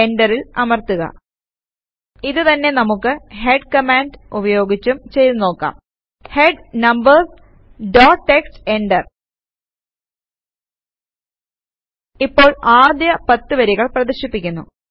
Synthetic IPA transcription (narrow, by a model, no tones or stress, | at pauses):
eɳɖɐrilɐmɐrt̪uɣɐ̰ | iðɨt̪ɐnːe̞nɐmukːɨhe̞ɖkɐmaːnɖubɐjo̞ːɡit͡ɕːumt͡ɕe̞jðno̞ːkːa̰ːm | he̞ɖnɐmbɐrs | ɖoːʈːekste̞ɳɖɐr | ipːo̞ːɭaːd̪jɐpɐt̪ːɨʋɐɾiɣɐɭprɐðiɕipːikʲːunːṵ